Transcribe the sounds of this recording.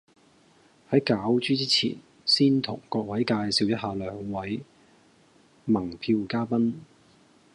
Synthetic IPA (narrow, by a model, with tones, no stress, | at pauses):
hɐ˨˥jkaː˨˥wt͡ʃyː˥t͡siː˥t͡sʰḭː˨˩n | siː˥nt̪ʰʊ̰˨˩ŋkɔː˧k̚wɐ˨˥jkaː˧jsiː˨˧wjɐ˥t̚haː˨˧lœː˨˥ŋwɐ˨˥j | mɐ˨˩ŋpʰiː˧wkaː˥pɐ˥n